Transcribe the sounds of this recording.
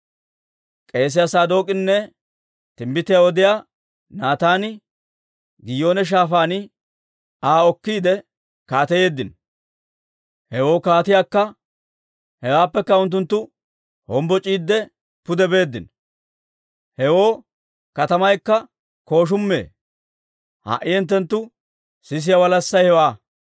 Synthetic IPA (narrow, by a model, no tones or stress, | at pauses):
kʼe̞ːs̬ɪjasaːd̪o̞ːkʼɪnːɛ | t̪ɪmbɪt̪ːɪjaːɔd̪ɪjaː | naːt̪aːnɪ | ɡɪjo̞ːnɛʃ̬aːfaːnɪ | aːɔkːiːd̪ɛ | kaːt̪ɛje̞ːd̪ːɪn | hɛwo̞ːkaːt̪ɪjaːkːɐ | hɛwaːpːɛkːɐʊnt̪̬ːʊnt̪ːʊ | hɔmbɔt͡ʃʼiːd̪ːɛ | pʊd̪ɛbe̞ːd̪ːɪn | hɛwo̞ː | kɐt̪ɐmɐjkːɐ | ko̞ːʃ̬ʊmːḛː | ha̰ːʔɪɛnt̪̬ːɛnt̪ːʊ | sɪs̬ɪjɐwɐlɐsːɐjhɛwaː